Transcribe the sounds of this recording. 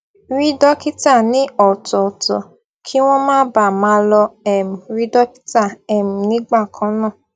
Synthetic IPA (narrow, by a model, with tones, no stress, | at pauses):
ɾi˦dɔ˦ki˦ta˦˨nĩ˦ɔ˨tɔ˨tɔ̰˨ | kʰi˦w̃ɔ̃˦mãː˦ba˨mã˨˦lɔ˧ɛ˨m̩˨ɾi˦dɔ˦ki̥˦ta˦˨ɛ˨m̩˨nĩ˨˦ɡ͡ba˦˨kʰɔ̃˨˦nã˦˨